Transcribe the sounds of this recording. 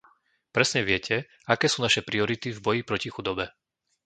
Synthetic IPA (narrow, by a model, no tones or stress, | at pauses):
pɾɛsɲɛʋɪɛcʰɛ | akɛːsuːnaʃɛpɾiɔɾit̪ivbɔjipɾɔcixud̪ɔbɛ